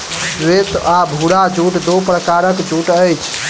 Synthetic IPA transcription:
swet̪abʱuɽad͡ʒuʈd̪opɾəkaɾəkd͡ʒuʈəjt͡ʃʰ

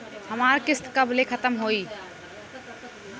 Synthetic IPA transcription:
həmaɾkɪst̪kəblekʰət̪əmɦoi

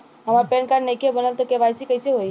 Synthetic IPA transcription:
ɦəmaɾpeɳkaɽnəjkʰebənəlt̪ɔkebajsikəɪseɦoj

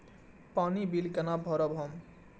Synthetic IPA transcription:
panibilkənabʱɔɾʌbɦʌm

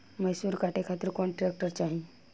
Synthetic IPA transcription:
məɦsuːɾkaːʈekʰaːt̪ɪɾkonʈɾeːk̚ʈəɾt͡ʃaːɦie

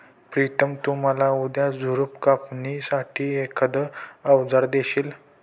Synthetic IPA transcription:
pɾit̪əmt̪um̤alaud̪jad͡zʱuɾupkapnisaʈʰiːekəd̪əəʋd͡zaɾd̪eɕiːl

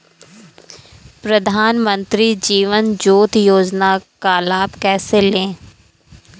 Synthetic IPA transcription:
pɾəd̪ʱaːnmə̃nt̪ɾid͡ʒiːʋənd͡ʒoːt̪joːd͡ʒnaːkaːlaːbkɛːselẽː

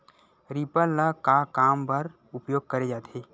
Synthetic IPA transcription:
ɾipəlːakakaːmpəɾ | ʊpjoːɡ̚kəɾed͡ʒaːt̪eː

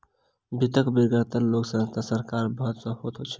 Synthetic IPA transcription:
bʱit̪əkbiɾɡat̪əɾloksə̃st̪ʰasəɾkaɾbʌɦut̪səɦot̪ʰot͡ʃʰɛ̥

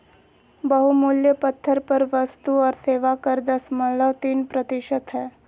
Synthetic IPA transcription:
bəɦumuljəpət̪ʰːəɾpəɾʋəst̪uɔɾseʋakəɾd̪əsmələt̪iːnpɾət̪iʃət̪ɦɛ

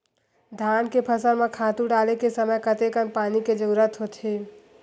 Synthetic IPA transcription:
d̪ʱaːnkepʰəsəɾmẽkʰaːt̪uɖaːlekesəməjkət̪ekənpaːniked͡ʒəɾuɾət̪ɦoːt̪ʰeː

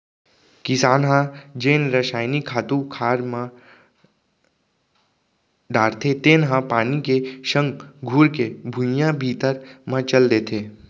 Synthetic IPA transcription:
kɪsaːnɦãd͡ʒeːnɾəʃaːɪnikʰaːt̪ukʰaːɾmã | ɖaːɾt̪ʰet̪eːnɦãpaːnikeʃə̃ŋɡɡʱuːɾkebʱʊ̃jãbʱiːt̪əɾmãt͡ʃəld̪eːt̪ʰeː

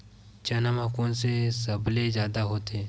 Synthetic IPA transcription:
t͡ʃɐnəmakõsesɐblezjaːd̪aɦoːt̪e

